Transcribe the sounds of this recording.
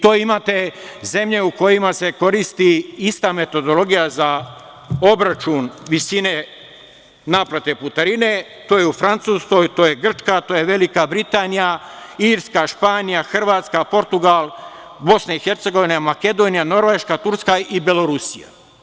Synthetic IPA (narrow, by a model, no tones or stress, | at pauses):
t̪oːimaːt̪e̞ze̞mʎe̞uko̞jimase̞ko̞ɾist̪iist̪aːme̞t̪o̞d̪o̞lˠo̞ɡijaza | obɾat͡ʃunʋisine̞ | naːplat̪e̞put̪aɾine̞ | t̪oːjeufɾant̪suːsko̞jt̪o̞ːjeɡr̩t͡ʃkat̪oːje̞ʋe̞likabɾit̪aːnijaiɾskaʃpaːnijaxr̩ʋaːt̪skapo̞ɾt̪uɡalˠ | bo̞snaixe̞ɾt̪se̞ɡo̞ʋinejamake̞d̪o̞nijano̞ɾʋeːʃkat̪uɾskaibelo̞ɾusija̰